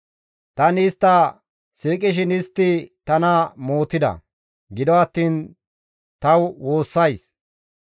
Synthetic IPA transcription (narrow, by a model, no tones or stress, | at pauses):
t̪ɐnɪst̪ːɐ | siːkʼɪʃ̬ɪnɪst̪ːɪt̪ɐnɐmoːt̪ːɪd̪ɐ̰ | ɡɪd̪ɔɐt̪ːiːn | t̪ɐwwo̞ːsːɐjs